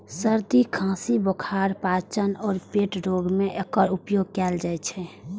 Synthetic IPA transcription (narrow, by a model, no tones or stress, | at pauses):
səɾd̪ikʰãsibokʰaɾpat͡ʃənɔːɾpeʈɾoɡmeʔekəɾupjoɡ̚kɛːld͡ʒajt͡ʃʰɛ